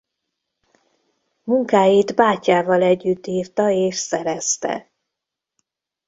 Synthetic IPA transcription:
muŋkaːjid̪baːcaːvɒlɛɟːyt̪ːiːrt̪ɒeːʃsɛɾɛst̪ɛ̰

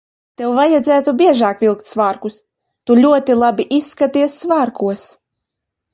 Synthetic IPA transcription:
t̪ɛwvajad̪zʲæːt̪ubʲiɛʒaːkvʲilˠk̚t̪svaːɾkus | t̪ulʲuɔt̪ilˠabʲiʔisːkat̪iɛsːvaːɾkuɔs

